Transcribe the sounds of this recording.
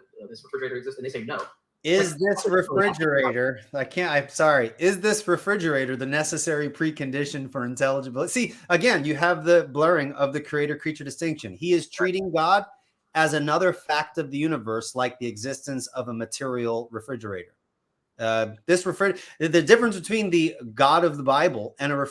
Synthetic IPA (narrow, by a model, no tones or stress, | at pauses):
ðɪsɹəfɹɪd͡ʒə˞ɪɾə˞ɨɡzɪstnðeseɪnoʊ | ɪzðɪsɹɨfɹɪd͡ʒə˞eɪɾə˞aɪkʰæ̃aɪsɑɹiɪzðɪsɹɨfɹɪd͡ʒə˞eɪɾə˞ðɨnɛsɨsɛɹipʰɹ̥ikɨ̃ndɪʃɨ̃nfə˞ɨ̃ntʰɛlˠəd͡ʒəbl̩ˠsiɨɡɛ̃njɨəvðɨblɜ˞ɪ̃ŋʌvðɨkʰɹ̥ieɪɾə̥˞kʰɹ̥it͡ʃə˞dɨstɪ̃ŋkʃɨ̃niɨz̥tʰɹ̥iɾɪ̃ŋɡɑɾ | ɨzɨnʌðə˞fæk̚tʌvðɨjʉñəvɜ˞slaɪk̚ðiɨɡzɪstɨ̃nsʌvəmɨtʰɪɹil̩ˠɹɨfɹɪd͡ʒə˞ḛɪɾə̰˞ | ʌðɪsɹɨfɹɪɨðɨdɪfɹ̃nsb̥ɨtʰw̥ĩnðɨɡɑɾʌvðəbaɪbl̩ˠɨ̃ñɨɹɨ